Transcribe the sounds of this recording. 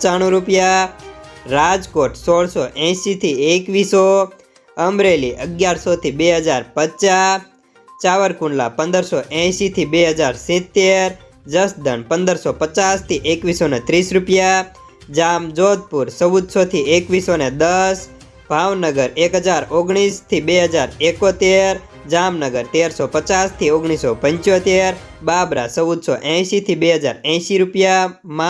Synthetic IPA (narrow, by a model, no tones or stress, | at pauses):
t͡ʃaɽ̃ũɾupja | ɾad͡ʒkoʈsoɽsoʔɛ̃ʃit̪ʰiekʋiso | əmɾeliʔəɡjaɾsot̪ʰibeɦəd͡ʒaɾpət͡ʃa | t͡ʃaʋəɾkuɳɖla̰pə̃nd̪əɾsoʔɛ̃ʃit̪ʰibeɦəd͡ʒaɾsĩt̪ːeɾ | d͡ʒəsd̪ənpə̃nd̪əɾsopət͡ʃast̪ʰiʔekʋisonet̪ɾisɾupja | d͡ʒamd͡ʒod̪̚puɾsəʋud̪sot̪ʰiekʋisoned̪əs | b̥ʱaʋnəɡəɾekɦəd͡ʒaɾoɡɽ̃ist̪ʰibeɦəd͡ʒaɾekot̪eɾ | d͡ʒamnəɡəɾt̪eɾsopət͡ʃast̪ʰioɡɽ̃isopəɲt͡ʃjot̪eɾ | babɾa̰səʋud̪soʔɛ̃ʃit̪ʰibeɦəd͡ʒaɾɛ̃ʃiɾupjamã